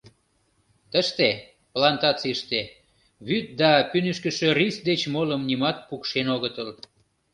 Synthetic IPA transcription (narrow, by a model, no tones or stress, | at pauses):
t̪əʃt̪e | plɑnt̪ɑt͡siʃt̪e | βyt̪̚d̪ɑpynəʃkəʃørisd̪et͡ɕmoləmnimɑt̪̚pukʃenoɣət̪əl